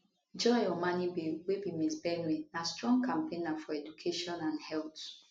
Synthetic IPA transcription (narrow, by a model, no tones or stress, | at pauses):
d͡ʒɔ̃ɪjɔmãnibiwebimisbɛnwinastɹɔ̃ŋɡkãmpẽnafɔɛdukʰeʃɔ̃nãnhɛlt